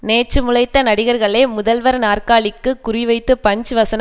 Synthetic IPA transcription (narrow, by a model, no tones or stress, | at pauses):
neːt͡ʃːɯmʊɭɐɪt̪ːɐnɐɽɪɣɐɾɣɐɭeːmʊðɐlʋɐɾnaːrkaːɭɪkːɯkːʊrɪʋɐɪt̪ːɯpɐɲd͡ʒɯʋɐsɐn